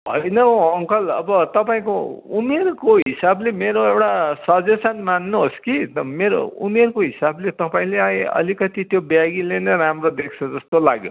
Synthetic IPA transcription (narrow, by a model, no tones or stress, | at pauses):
bʱʌ̰jnʌʌŋkʌlʌ̰bʌt̪ʌpaĩkoumerkoɦɦisablemeɾoewʈasʌd͡zesʌnmanːuɦoskit̪ʌmeɾo̰ṵmerkoɦisablet̪ʌpaĩleajʌ̰likʌt̪it̪jobjaɡilenʌɾamrod̪ek̚ʰt͡sʰʌd͡zʌst̪ola̰ɡjo̰